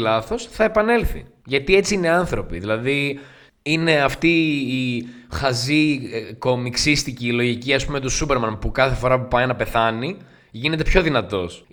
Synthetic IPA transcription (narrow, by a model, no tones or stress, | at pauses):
lɐθo̞sθɐe̞pɐne̞lθḭʝɐt̪ie̞t͡siineɐnθɾo̞piðilɐði | ine̞ɐft̪iː | xɐziko̞miksist̪iciːlo̞ʝiciɐspumet̪osupe̞ɾmɐnpukɐθe̞fo̞ɾɐpupɐjnɐpe̞θɐni | ʝine̞t̪e̞pço̞ðinɐt̪o̞s